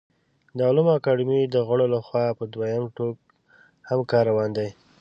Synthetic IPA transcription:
d̪əalumakɑɖimid̪əɣəɽolaxwɑpəd̪wajamʈoɡ̚ | hamkɑɾawɑnd̪aj

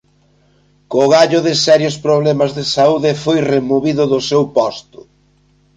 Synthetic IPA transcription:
koɣaʎʊðɪsɛɾjʊspɾoβlɛmɐzðɪsauðɪfojremoβiðʊðʊsewpɔst̪ʊ̥

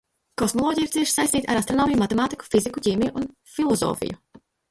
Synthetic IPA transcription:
kɔsmɔlˠɔːɟʲijiɾt̪siɛʃsajst̪iːt̪aɾast̪ɾɔnɔːmijumat̪ɛmaːt̪iku̥fizikuciːmijuʔun | filˠɔzɔ̰ːfḭju

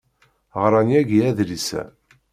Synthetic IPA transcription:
ʁɾˤɑnjæɡiæðlisæ̰

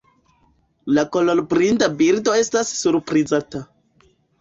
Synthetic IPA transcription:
lakolo̞ɾbɾintabiɾdo̞e̞stasːuɾpɾizata

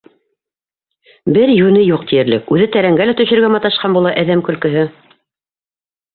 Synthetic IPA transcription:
bɘɾjʉnɘjuq̚t̪ijɘ̆ɾlɘkʉðɘt̪æɾæŋɡælæt̪ɵ̆ʃɵ̆ɾɡæmɑt̪ɑʃqɑnbulˠɑʔæðæmkɵ̆lkɵ̆ɦɘ

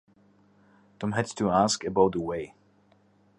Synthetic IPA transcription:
tʰɔ̃mɦædstʰuaskɨbaʊt̚ðəweɪ

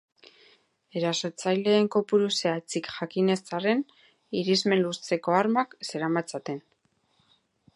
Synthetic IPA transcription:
e̞ɾaso̞t͡sajle̞ːŋko̞puɾuseat͡sikʝakine̞st͡sare̞n | iɾizme̞nlust͡se̞ko̞aɾmakse̞ɾamat͡sat̪e̞n

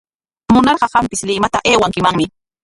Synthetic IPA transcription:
mʊnɑɾɢɑɢɑmpɪslɪmat̪aʔeːwaŋkɪmaŋmɪ

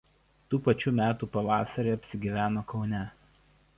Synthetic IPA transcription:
t̪uːpɐt͡ʃʲuːmʲæːt̪uːpɐʋɑːsɐɾʲeːɐpʲsʲɪɡʲiːʋʲæːnoːkɒʊnʲɛ

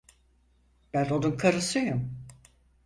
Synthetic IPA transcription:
b̥ænonunkʰaɾɯsɯjum

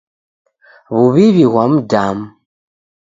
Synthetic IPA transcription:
βuβiβiɣwam̩dam̩

